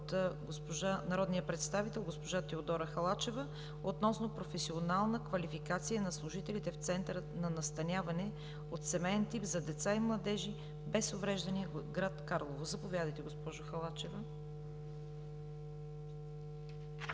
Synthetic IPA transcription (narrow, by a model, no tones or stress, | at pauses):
t̪ɡospoʒanɐɾɔd̪nijəpɾɛt̪st̪avit̪ɛlˠɡospoʒat̪ɛod̪ɔɾəxɐlˠat͡ʃɛvə | ot̪nɔsnopɾofɛsionalˠnəkvɐlifikat̪sijənɐslˠʊʒit̪ɛlit̪ɛft̪sɛnt̪əɾənɐnɐst̪ɐnʲavɐnɛ | ot̪sɛmɛjɛnt̪ipzɐd̪ɛt̪saimlˠɐd̪ɛʒi | bɛsovɾɛʒd̪ɐniəɡɾat̪kaɾlˠovozɐpovʲjad̪əjt̪ɛɡospɔʒʊxɐlˠat͡ʃɛvə